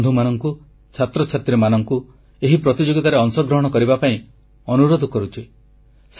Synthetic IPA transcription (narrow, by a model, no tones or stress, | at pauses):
d̪ʱumanɔŋku | t͡ʃʰat̪ɾɔt͡ʃʰat̪ɾimanɔŋku | eɦipɾɔt̪id͡ʒoɡit̪aɾeɔŋsɔɡɾɔɦɔɽ̃ɔkɔɾibapaĩ | ɔnuɾod̪ʱɔkɔɾut͡ʃʰi | s